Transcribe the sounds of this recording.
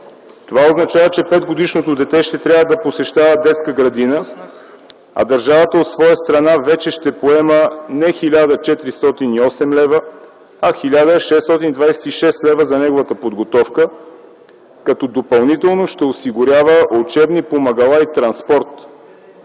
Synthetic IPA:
t̪ovaoznɐt͡ʃavət͡ʃɛpɛd̪ɡod̪iʃnot̪od̪ɛt̪ɛʃt̪ɛt̪ɾʲavəd̪ɐposɛʃt̪avəd̪ɛt̪skəɡɾɐd̪inə | ɐ̰d̪əɾʒavət̪əot̪svɔjəst̪ɾɐnavɛt͡ʃɛʃt̪ɛpoɛmənɛxilʲad̪ət͡ʃɛt̪ɾist̪ɔt̪iniɔsɛmlɛvə | ɐxilʲad̪əʃɛst̪ɔt̪inid̪vajsɛt̪iʃɛst̪lɛvəzɐnɛɡovət̪əpod̪ɡot̪ɔfkə | kɐt̪ɔd̪opɐlˠnit̪ɛlˠnoʃt̪ɛosiɡʊɾʲjavəʔot͡ʃɛbnipomɐɡɐlˠait̪ɾɐnspɔɾt̪

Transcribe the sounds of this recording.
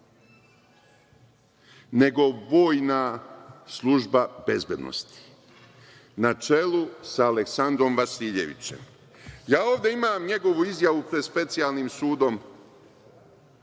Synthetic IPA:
ne̞ɡo̞ʋo̞ːjnaslˠuʒbabe̞zbe̞d̪no̰st̪i̥ | nat͡ʃe̞lusaːleksand̪ɾo̞mʋasiːʎe̞̰ʋḭt͡ɕe̞̰m | jaːo̞ːʋd̪e̞imaːmɲe̞ɡo̞ʋuizjaʋupɾed̪spe̞t̪sijaːlˠniːmsuːd̪o̞m

